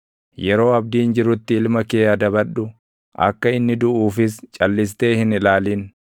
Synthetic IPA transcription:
jɛɾo̞ːɐbd̪iːnd͡ʒɪɾʊt̪ːɪɪlmɐkeːɐd̪ɐbɐᶑʊ | ʔɐ̰kːɐɪnːɪd̪ʊʔuːfɪst͡ʃʼɐlːɪs̬t̪e̞ːhɪnɪlaːliːn

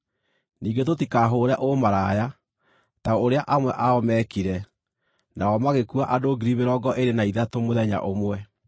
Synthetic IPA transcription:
niːɡet̬otikaɦoːɾɛʔomaɾaja | taooɾeaʔamwɛʔaɔmɛkiɾɛ | naɔmaɣekuaʔadoɡiɾiβeɾɔɡɔʔeɾenaiðatomoðɛɲa̰ʔomwɛ

